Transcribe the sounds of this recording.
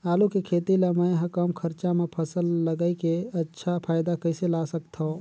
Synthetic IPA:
aːlukekʰeːt̪ilaməjɦə̃kəmkʰəɾt͡ʃamepʰəsəlːəɡəɪkeətːʃʰapʰaːɪd̪akəɪselasəkt̪ʰõ

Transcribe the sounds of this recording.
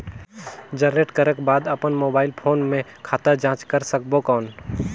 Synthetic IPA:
d͡ʒənɾeːʈkəɾəkbaːd̪əpənmoːbaːɪlpʰoːnmẽkʰaːt̪ad͡ʒãːt͡ʃkəɾsək̚bokaːn

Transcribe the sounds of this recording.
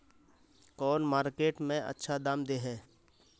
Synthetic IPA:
kɔːnmaːɾkeːʈmẽʔɐ̰tːʃʰad̪aːmd̪eɦɛː

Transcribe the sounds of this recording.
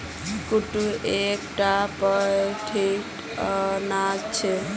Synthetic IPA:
kuʈuekʈapɔeʈʰiʈ | nat͡ɕʰe

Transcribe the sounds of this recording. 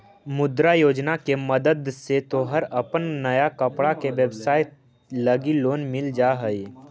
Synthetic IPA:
mʊd̪ɾajoːd͡ʒnakeməd̪əd̪set̪oɦəɾɐpənnɐjakəpɽakeʋəbsaːɪt̪ | lɐɡiloːnmɪld͡ʒaɦəi

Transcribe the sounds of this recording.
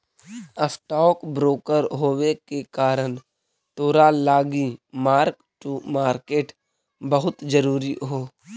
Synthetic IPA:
əsʈɔːkbɾoːkəɾɦoːwekekaːɾən | t̪oːɾalaːɡimaːɾk | ʈumaːɾkeːʈ | bəɦʊt̪d͡ʒəɾuːɾiɦoː

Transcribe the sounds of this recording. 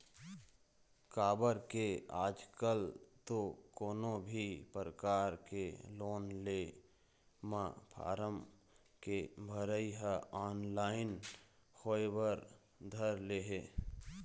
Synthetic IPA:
kaːbəɾkeaːd͡ʒkəlt̪okoːnõbʱipəɾəkaːɾkeloːnle | mapʰa̰ːɾəm | kebʱəɾəiɦəɔːnlaːɪn | xoːjwəɾ | d̪ʱəɾleɦeː

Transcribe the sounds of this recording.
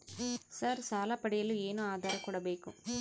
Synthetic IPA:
saːɾsaːlaːpɐɽɪjɐlɯeːnɯ̃aːðaːɾɐkʊɽɐbɐɪkːʊ̰m

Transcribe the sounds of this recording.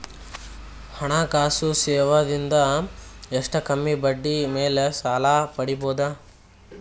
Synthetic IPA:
hɐɳaːkaːsusɛːʋɐd̪ind̪ɐ | eʂʈɐkɐmːibɐɖːimeːlesaːlaːpɐɽibɔːd̪ɐ

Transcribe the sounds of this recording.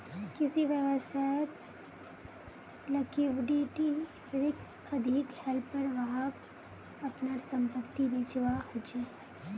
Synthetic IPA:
kɪsiʋjəʋəsajət̪ | lɐkiʋɖiʈi | ɾɪks | ɐd̪ʱɪkhɛlpːəɾʋɐɦak | ɐpnasɐ̃mpət̪ːibeːt͡ʃʋahod͡ʒa

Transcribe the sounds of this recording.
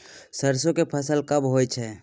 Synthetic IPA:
səɾsõkepʰəsəlkəbɦojt͡ʃʰɛ

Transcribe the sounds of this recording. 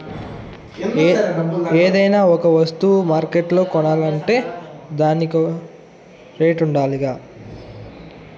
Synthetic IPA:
eːd̪ɐjnaːɔkɐʋɐst̪umaːɾkeʈlo̞ːkɔɳaːlɐɳʈe̞ːd̪aːnik | ɾe̞ːʈuɳɖaːliɡaː

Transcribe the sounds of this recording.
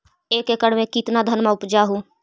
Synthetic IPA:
eːkekəɽmẽkɪt̪nad̪ʱənmãʊpd͡ʒaɦuː

